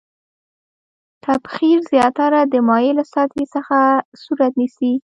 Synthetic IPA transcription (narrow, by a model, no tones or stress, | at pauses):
t̪abxiɾzjɑt̪aɾad̪əmɑjelasɑt̪esəxasuɾat̪nisi